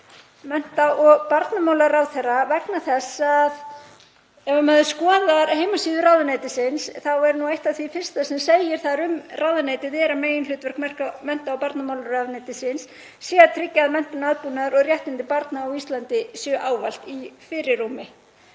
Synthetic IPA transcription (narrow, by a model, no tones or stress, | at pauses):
mɛn̥t̪aʔɔɣpaɾt̪namawlaɾrawθɛravɛknaθɛsað | ɛvamœðʏskɔːðaɾɦejmasiːðʏrawðʏnejt̪ɪsɪnsθawɛɾnuejht̪avθifɪr̥st̪asɛmseːjɪɾ̥θaɾʏmrʔaːwðaneːjt̪ɪðɛːɾameːjɪnlʏːt̪vɛr̥kmɛr̥kamɛn̥t̪aawpaɾt̪namawlaɾrawneːjt̪ɪsɪnsː | jɛːɣat̪ʰɾɪcːaðmɛn̥t̪ʏnaðpuːnaɾɔɣrjɛht̪ɪnt̪ɪpaɾt̪naːwist̪lant̪ɪsjœʔaːwval̥t̪ifɪːɾɪrːumɪ